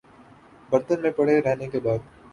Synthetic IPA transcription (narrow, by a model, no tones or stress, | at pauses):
bɐɾt̪ənmẽpɐɽeɾɛɦnekebaːd̪̚